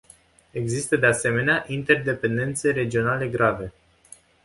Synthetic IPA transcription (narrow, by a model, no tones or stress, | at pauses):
e̞ɡzist̪əd̪e̞ase̞me̞neaʔint̪e̞rd̪e̞pe̞nd̪e̞nt̪se̞ɾe̞d͡ʒio̞nale̞ɡɾave̞